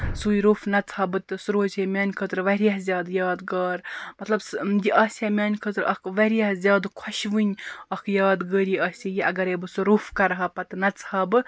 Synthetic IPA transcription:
sujɾufnɐt͡sʰhɐbɨt̪ɨsuɾoːzemʲjaːnʲkʰət̪ɾʋɐɾʲijaɦzʲjaːd̪jaːd̪ɡaːɾmɐt̪lɐbsd̪ʲiʔɐːsʲemʲaːnʲkʰət̪ɾɐkʋɐɾijɐɦzʲjaːd̪kʰɐʃʋɨnʲɐkʰjaːd̪ɡəːɾiɐːsʲejiʔɐɡɐɾebɨsɨɾufkɐɾɦɐpɐt̪nɐt͡shɐbɨ

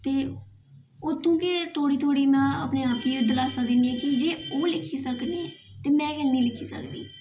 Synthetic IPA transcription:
t̪eː | ʊt̪ʰːũːkɪt̪ʰoːɽiːt̪ʰoːɽiːmɛ̃ːə̰pneːaːpiːd̪əlaːsãːd̪ɪniɛ̃ːkɪd͡ʒeːoːlɪkʰːiːsəkneːɛːt̪eːmɛ̃ːɡɛlnĩːlɪkʰiːsə̰kd̪ḭː

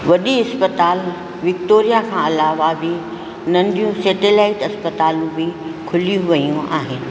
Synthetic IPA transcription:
ʋɐɗiɐspət̪aːl | ʋɪkt̪oːɾijakʰãːɐlaːʋabʱi | nɐ̃nd̪ʱijũseːʈelaːɪʈɐspət̪aːlũbɪkʰʊlijũʋɐijũʔaːɦɪnɪ̆

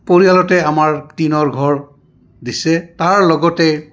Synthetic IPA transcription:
poɹijalɔtɛamaɹtinɔɹɡʱɔɹ | disɛtaɹlɔɡɔtɛ

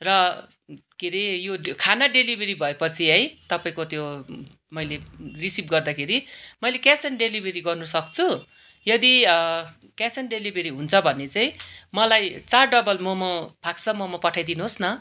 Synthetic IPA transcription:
rʌ | kiɾejokʰanaɖelibʱeɾibʱʌepʌt͡sʰiɦʌjt̪ʌpaĩkot̪jo | mʌjlerisipɡʌrd̪akʰeɾimʌjlekjasʌnɖelibʱeɾiɡʌrnusʌk̚t͡sʰu | jʌd̪i | kjasenɖelibʱeɾiɦunt͡sʰʌbʱʌnːet͡saĩmʌlajt͡sarɖʌbʌlmomobʱakt͡sʰʌmʌmopʌʈʰajd̪inuɦosnʌ

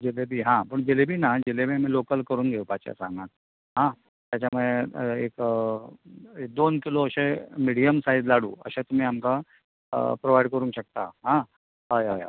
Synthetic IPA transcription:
d͡ʑelebʱiːɦãpəɳd͡ʑelebʱiːnad͡ʑelemẽmelokəlkəɾuːnɡʱeupat͡ɕja̰sã̰ŋɡãt̪̚ | ɦã | t̪jat͡ɕamueek | ek̚d̪onkiloəɕemiɽijəmsaid͡zlaɽṵːə̰ɕẽt̪um̤iːamka | pɾoʋajɖkəɾũŋkɕək̚t̪a̰ɦã | ɦəjɦajɦa̰j

